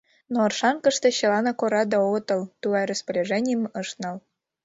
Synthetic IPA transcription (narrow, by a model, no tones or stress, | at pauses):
noːrʃɑnkə̆ʃt̪eɕɤ̆lɑnɑkoɾɑd̪ɑot̪ɤ̆lt̪ulɑɾəspəɾʲeʒenʲijəmɤ̆ʃt̪nɤ̆l